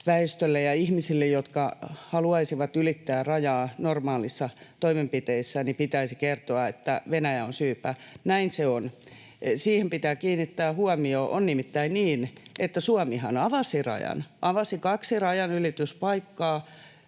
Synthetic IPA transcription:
ʋæest̪ølːejɑihmisilːejjot̪kɑhɑluɑisiʋɑt̪ylit̪ːæːrɑjɑːnormɑːlisːɑt̪oimempit̪eisːænipit̪æisikert̪oɑet̪ːæʋenæjæonsyːpænæinseon | siːhempit̪æːkiːnːit̪ːæːhuɑmioːʔo̰nnimit̪ːæinniːnʔet̪ːæsuɑmihɑnɑʋɑsirɑ̰jɑ̰nʔɑʋɑsikɑksirɑjɑnylit̪yspɑikːɑː

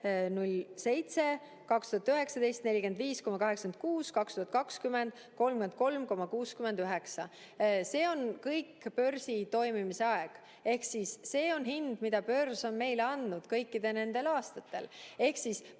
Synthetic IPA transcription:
nulse̞jt̪se̞ | kɑkst̪uɦɑt̪yɦe̞ksɑd̪̥e̞jst̪nelʲike̞nd̪viːsko̞mɑkɑɦe̞ksɑ̥kend̪̥̚kuːskɑkst̪uhɑt̪̚kɑkskyme̞nd̪̥ | ko̞lmkymend̪̚ko̞lmko̞mɑkuːskyme̞nd̪yɦeksɑ | se̞ːo̞nkɤjkːpø̞rsit̪o̞jmimise̞ɑeɡ̥ | e̞hksisːe̞ːo̞nɦind̪̥mid̪ɑpø̞rso̞nme̞jleɑnd̪nud̪̥kɤjkˑːid̪̥e̞ne̞nd̪̥e̞lɑːst̪ɑt̪ːe̞̰le̞hksis

